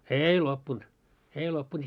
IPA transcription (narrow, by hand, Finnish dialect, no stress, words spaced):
eːi lopːunt eːi lopːunt